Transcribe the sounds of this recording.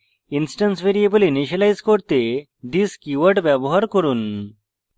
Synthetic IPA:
insʈɐnsʋeɾijebəlineʃɐlajzkɔɾt̪e | ɖiskiʋəʈʋabɔɦaɾkɔɾun

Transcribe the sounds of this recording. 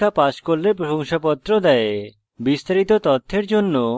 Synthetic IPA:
apaskoɾlepɾoɦoŋʃapɔt̪ːɾod̪ɛe | bist̪aɾit̪ot̪ɔt̪ʰːeɾd͡ʒonːo

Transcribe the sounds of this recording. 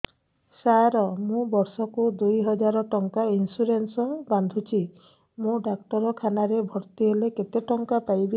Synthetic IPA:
saɾɔmũbɔɾsɔkud̪ujɦɔd͡ʒaɾɔʈɔŋkainsuɾensɔband̪ʱut͡ʃʰi | mũɖakʈɔɾɔkʰanaɾebʱɔɾt̪iɦeleket̪eʈɔŋkapajbi

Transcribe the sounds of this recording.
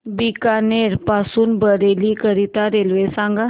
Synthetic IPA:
bikaneɾpasuːnbəɾelikəɾit̪aɾelʋesãŋɡa

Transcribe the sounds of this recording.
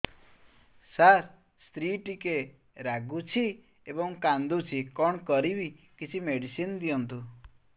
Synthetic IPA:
saɾ | st̪ɾiʈike | ɾaɡut͡ʃʰi | ebɔŋkand̪ut͡ʃʰikɔɳkɔɾibi | kit͡ʃʰimeɽisind̪ijɔnt̪u

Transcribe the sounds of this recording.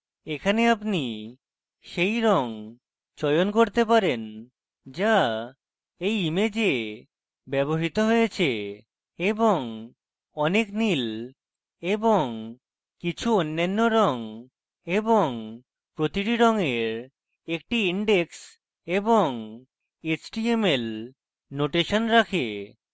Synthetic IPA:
ekʰaneapni | ʃejɾɔŋ | t͡ɕɔjonkoɾt̪epaɾen | d͡ʑa | ejimed͡ʑe | bɛboɦit̪oɦojet͡ɕʰe | eboŋ | ɔneknil | eboŋ | kit͡ɕʰuonːanːoɾɔŋ | eboŋ | pɾot̪iʈiɾɔŋeɾ | ek̚ʈiiɳɖeks | eboŋ | et͡ɕʈiemel | noʈeʃonɾakʰe

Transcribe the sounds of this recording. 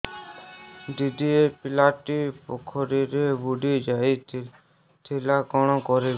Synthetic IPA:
ɖid̪iepɪlaːʈipɔkʰɔɾiɾebuɖid͡ʒaːi | t̪ʰilakɔɳ̃ɔ̃kɔɾe

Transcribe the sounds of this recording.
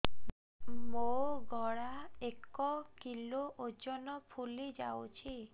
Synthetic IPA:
moɡɔɽaekɔkiloʔod͡ʒɔnɔpʰulid͡ʒa̰wt͡ʃʰi

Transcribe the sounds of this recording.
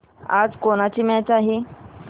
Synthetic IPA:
a̰d͡zkoɽ̃at͡ɕiːmɛ̃t͡saɦi

